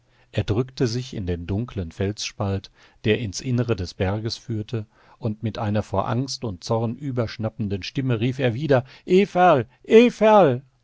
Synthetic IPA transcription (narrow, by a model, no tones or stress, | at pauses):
ʔeːɐdʁʏktəzɪçɪ̰ndeːndʊŋklənfɛlsʃpalt | d̥eːɐɪnsʔɪnəʁədɛsb̥ɛɐɡəsfyːɐtʰə | ʔʊntmɪtʔaɪnɐfoːɐʔa̰ŋstʊnt̚t͡sɔʁnʔyːbɐʃnapn̩dənʃtɪməʁiːfeːɐviːdɐ | ʔeːfɛɐl | ʔeːfɛɐl